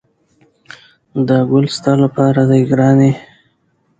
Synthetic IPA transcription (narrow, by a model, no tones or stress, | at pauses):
d̪əɡʊlst̪ɑlapɑɾad̪ajɡɾɑni